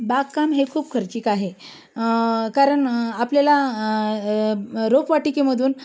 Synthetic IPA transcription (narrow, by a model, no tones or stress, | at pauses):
baɡkːamɦekʰuːbkʰəɾt͡ɕiːkaɦe | kaɾəɳapljala | ɾokʰʋaʈikeməd̪ʱuːn